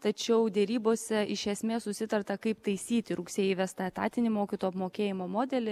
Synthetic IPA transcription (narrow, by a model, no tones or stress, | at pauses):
t̪ɐt͡ʃʲɛʊd̪ʲɛɾʲiːboːsʲɛɪʃʲɛsʲmʲeːssʊsʲɪt̪ɐrt̪ɐkɐɪpt̪ɐɪsʲiːt̪ʲɪɾʊksʲeːjɪʋʲæst̪ɐt̪ɑ̰ːt̪ʲɪnʲɪmoːkʲit̪oːjɐpmoːkʲeːjɪmoːmoːd̪ʲɛlʲɪ